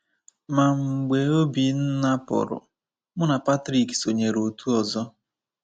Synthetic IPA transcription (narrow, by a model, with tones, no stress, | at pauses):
ma˨ŋ͡m̩˨ɡ͡be˨o˦bi˨n̩˦na˦pʊ̰˨ɾʊ̰˨ | mʊ˦na˨pa˦tɾi˨kso˨ɲe˨ɾo˨tu˦ɔ˨zɔ˦